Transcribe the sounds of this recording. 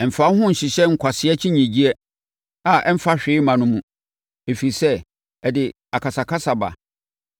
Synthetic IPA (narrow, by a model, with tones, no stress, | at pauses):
ɛ˨m̩˨fa˦ɦʊ̃˦n̩˨ɕɪ˨ɕɛ˦ŋ̩˨kʷʰa˨sɪ˦ɛ˦t͡ɕʰɪ˦ɲĩ˨d͡ʑi˦ɛ˦ | a˨ʔɛ˦m̩˦fa˦ɕᶣɪː˦mã˨nʊ̃˦mũ˨ | e˨fe˨i˨sɛ˦ | ɛ˨dɪ˨ | a˨kʰa˨sa˨kʰa˦sa˨ba̰˨